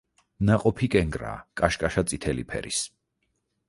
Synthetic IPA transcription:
naqʼɔpʰikʼɛŋɡɾa̰ːkʼaʃkʼaʃat̪sʼit̪ʰɛlipʰɛ̰ɾḭs

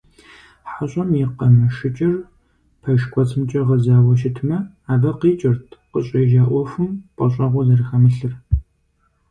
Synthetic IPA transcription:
ħaɕʼɐmjiqɐmɐʃɪt͡ʃʼɪr | pʰɐʃkʷʰʼɔt͡sʰɨmt͡ʃʼɐʁɐzaːwɐʃ̬ɪtʰmɐ | aːbɐqiːt͡ʃʼɪrtʰqəɕʼɐʒaːʔʷɔfɨmqʷʼɐɕʼɐʁʷɔzɐɾxɐmɨɬɨr

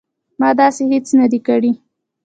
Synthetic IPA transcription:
mɑd̪ɑsehet͡snad̪ikaɽi

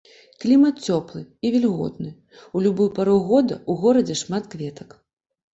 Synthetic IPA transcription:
klʲimɐt̪̚t͡sʲɔplˠɨivʲɛlʲɣɔ̰t̪̚nɨ | ulʲubujpaɾɔwɣɔd̪ɐ̰uɣɔɾɐd͡zʲɛʂmat̪kvʲɛt̪ɐk

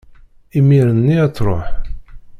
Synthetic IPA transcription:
imiɾənːiæt͡sːˤɾˤo̰ħ

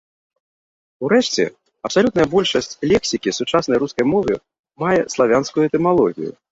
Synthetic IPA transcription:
uɾɛʂt͡sʲɛ̰ | ɐpsalʲut̪nɐjɐbɔlʲʂɐsʲt͡sʲlʲɛksʲikʲisut͡ʂasnɐjɾuskɐjmɔvɨ | majɛslˠavʲanskujuɛt̪ɛmalˠɔɣʲḭjṵ

